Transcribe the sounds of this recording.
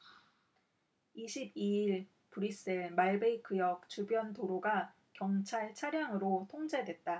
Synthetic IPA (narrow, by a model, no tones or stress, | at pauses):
iɕʰibiiɭ | puɾis͈eɭmaɭbeik͈ʰɯjʌk̚t͡ɕubjʌntoɾoɡa | kjʌŋt͡ɕʰaɭt͡ɕʰaɾjaŋɯɾotʰoŋd͡ʑe̞dwe̞t̚t͈a